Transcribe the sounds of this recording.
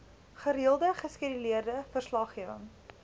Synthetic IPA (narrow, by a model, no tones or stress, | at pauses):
χəɾiəlˠdəχəskidəliərdəfərslɑχiəvə̰ŋ